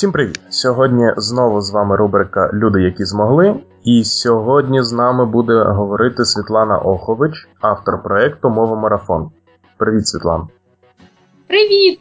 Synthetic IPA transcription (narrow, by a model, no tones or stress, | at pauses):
sʲimpɾɪʋʲḭt̪sʲɔɦɔdʲnʲiznɔʋʊzʋɑmɪɾubɾɪkɐ̰lʲud̪ɪjɐkʲizmɔɦlˠɪ | isʲɔɦɔdʲnʲiznɑmɪbud̪ɛɦɔʋɔɾɪt̪ɪsʲʋʲit̪lˠɑnɐ̰ʔɔxɔʋɪt͡ʃ | ɑft̪ɔrpɾɔɛkt̪ʊmɔʋɐmɔɾɐfɔ̰n | pɾɪʋʲit̪sʲʋʲit̪lˠɑ̰nɐ | pɾɪʋʲit̪̚